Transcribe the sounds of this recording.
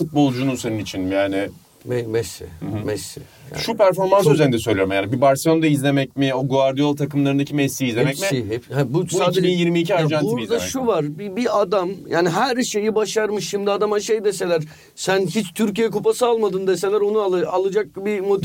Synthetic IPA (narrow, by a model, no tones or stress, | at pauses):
fut̪̚bo̞lˠd͡ʒununseɾɯnit͡ʃʰinjaːnɪ | mɛmɛsːḭmɛsːḭ | ja̰ːʃʃupʰæɾfo̞ɾmans̬yzeɾind̪ɛsøjlʲejoɾmjaːnibibaɾsijond̪aizlʲe̞mɛcmioɡuaɾd̪ijolˠt̪ʰakɯmlˠaɾɯnd̪acʰimɛsːiiːzlʲeɛcmiiɛhɛbusuaːded͡ʒinjiɾmiːcʰiaɾd͡ʒanuizd̪aʃʃuvaɾbibiad̪amjaːniɦæɾʃe̞jibaʃaɾmɯʃːimd̪iad̪amaʃejd̪ese̞lʲæɾ̥ | sænçit͡ʃt̪ʰyɾc̬ijɛkupasɯalˠmad̪ɯnd̪ese̞lʲæɾo̞nuaalˠɯd͡ʒak̚bimot̪